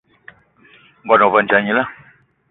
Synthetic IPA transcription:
ŋ̩˦ɡɔ˨nɔ˨va˨n̩˨d͡ʒa˨ɲi˦la˦˨

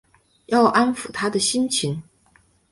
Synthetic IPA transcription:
jɑ˥˩ʊʔa˥nfu˨˩t̪ʰa˥d̪ə˨ɕi˥nt͡ɕʰi˧˥ŋ

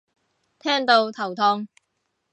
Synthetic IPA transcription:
t̪ʰɛː˥ŋt̪o˧wt̪ʰɐ˨˩wt̪ʰɔː˧ŋ

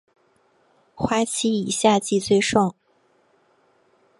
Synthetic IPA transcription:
xwa˥t͡ɕʰi˥i˨˩ɕja˥˧t͡ɕi˥˧t͡swe˥˧ɪʂɑ˥˩ŋ

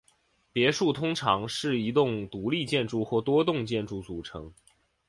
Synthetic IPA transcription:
pjɛ˧˥ʂu˥˩t̪ʰʊ˥ŋʈ͡ʂʰɑ˧˥ŋʂɻ̩˥˩i˧˥t̪ʊ˥˩ŋt̪u˧˥li˥˧t͡ɕjɛ˥˧nʈ͡ʂu˥˧xwɔ˥˩t̪wɔ˥t̪ʊ˥˧ŋt͡ɕjɛ˥˧nʈ͡ʂu˥˩t͡su˨˩ʈ͡ʂʰɤ̰˧˥ŋ

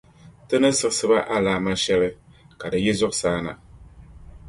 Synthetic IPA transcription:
tɨ˦nɨ˦sɨ˦ksɨ˦ba˦ʔa˦laː˨˦ma˦ʃɛ˦lɨ˦ | ka˨dɨ˨jɛ˦zʊ˦ʔsaː˦na̰˨

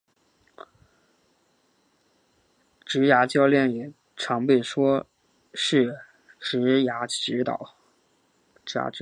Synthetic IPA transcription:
ʈ͡ʂɻ̩˧˥ja˧˥t͡ɕjɑ˥ʊljɛ˥˩njɛ˨˩ | ʈ͡ʂʰɑ˧˥ŋpe˥˩ɪʂwɔ˥ | ʂɻ̩˥˩ | ʈ͡ʂɻ̩˧˥ja˧˥ɻ̩˧˥t̪ɑ̰˨˩˦ | a̰˧˥

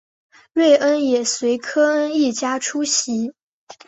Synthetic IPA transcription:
ɻwe˥˩ɪʔə˥njɛ˨˩swe˧˥ɪkʰɤ˥ə˥ni˥˩t͡ɕja˥ʈ͡ʂʰu˥ɕi˧˥

